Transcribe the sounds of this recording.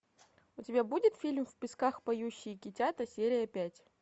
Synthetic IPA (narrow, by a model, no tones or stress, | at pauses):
ʊtʲɪbʲabudʲɪt̪fʲilʲmfʲpʲɪskaxpɐjuɕːɪjkʲɪtʲat̪əsʲeɾʲɪjəpʲætʲ